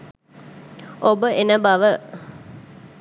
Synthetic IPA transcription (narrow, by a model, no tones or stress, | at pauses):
obəʔenəbaʋə